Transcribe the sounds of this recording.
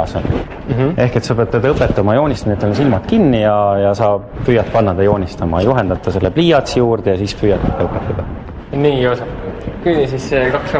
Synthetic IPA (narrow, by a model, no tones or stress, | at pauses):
son | e̞hke̞t̪sɑpeɑt̪ed̪ɤpːˑet̪ːˑɑmɑjo̞ːnʲist̪ɑniet̪ːolns̬ilmɑt̪kinːijɑjɑsɑː | pyjɑt̪̚pɑnːɑt̪ɑjo̞ːnʲist̪ɑmɑ̰juɦe̞nd̪ɑt̪ːˑɑse̞lːepliːɑt̪sjuːrd̪̥ejɑsiːspyjɑt̪ːed̪ɑɤpːˑet̪ːˑɑd̪̥ɑ | niːosɑ | kynisiskɑksɑ